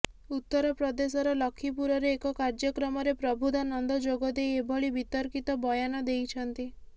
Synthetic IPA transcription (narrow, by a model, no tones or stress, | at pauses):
ut̪ːɔɾɔpɾɔd̪esɔɾɔlɔkʰːip̬uɾɔɾeːkɔkaɾd͡ʒɔkɾɔmɔɾepɾɔbʱud̪anɔnd̪ɔd͡ʒoɡɔd̪ejebʱɔɭibit̪ɔɾkit̪ɔbɔjanɔd̪ejt͡ʃʰɔnt̪i